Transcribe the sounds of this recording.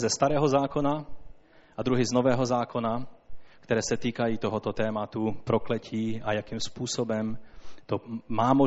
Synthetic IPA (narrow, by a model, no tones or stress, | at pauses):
zɛst̪aɾɛːɦozaːkona | ʔad̪ɾuɦɪznovɛːɦozaːkonakt̪ɛɾɛːsɛt̪iːkajiːt̪oɦot̪ot̪ɛːmat̪upɾoklɛcʰiːajakiːmspuːsobɛmt̪omaːmo